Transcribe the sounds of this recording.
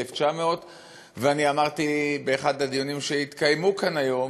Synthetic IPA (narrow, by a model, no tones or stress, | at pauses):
eft͡ʃameo̞t̪ | veaniamaʁt̪ibe̞ːχad̪ad̪ijonimʃeit̪kajmukanajo̞m